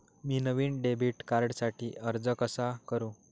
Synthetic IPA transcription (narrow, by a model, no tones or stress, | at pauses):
miːnəʋiːɳɖebʱiːʈkaɾɖsaʈʰiːʔəɾd͡zəkəsakəɾũ